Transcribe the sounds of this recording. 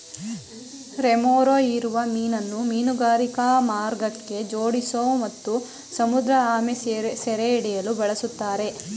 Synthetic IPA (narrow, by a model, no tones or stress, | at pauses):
ɾemoːɾoiɾuʋɐmiːnɐnːumiːnuɡaːɾikamaːɾɡɐkːe̞d͡ʒoːɽisoːmɐt̪ːu | sɐmud̪ɾɐaːmesɛɾeiɽɛjɐlubɐɭɐsut̪ːaːɾe̞